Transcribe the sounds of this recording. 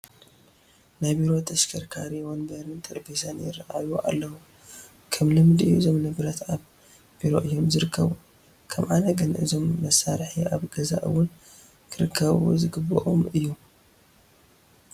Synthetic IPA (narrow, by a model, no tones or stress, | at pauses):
najbiɾo̞t̪ʰɐʃkʰɐɾkʰaɾiwonbɐɾɨnt̪ʼɨɾbisʰɐnjɪ̰raʔaβuʔa̰lːɐwu | kʰɐmlɨmd̪iuʔɨzo̞mnɨɡɾat̪aβ | biɾo̞ʔɨjːo̞mzɨɾɨkʰːɐβu | kʰɐmʕanɐɡɨnʔɨzo̞mːɐsːaɾħiʔaβɡɐza̰ʔɨ̰wʊn | kʰɨɾɨkʰːɐβṵzɨɡɨbɨʔomɨjːu